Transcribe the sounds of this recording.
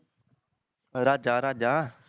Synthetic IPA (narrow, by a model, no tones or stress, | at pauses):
ɾaːd͡ʒaːɾaːd͡ʒaː